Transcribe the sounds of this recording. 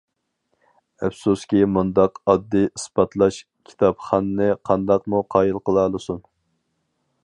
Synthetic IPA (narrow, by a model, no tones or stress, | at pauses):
æfsuskʲimund̪ɑqɑd̪ːɨisbɑt̪ʰlˠɑʃ | kʲʰi̥t̪ʰɑpχɑnːɨqʰɑnd̪ɑqmuqʰɑːjilˠqəlˠɑːlˠɨsun